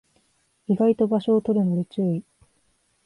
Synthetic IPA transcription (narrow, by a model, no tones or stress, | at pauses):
iɡait̪o̞baɕo̞ːt̪o̞ɾɯ̟noɾɯt͡ɕɨɯi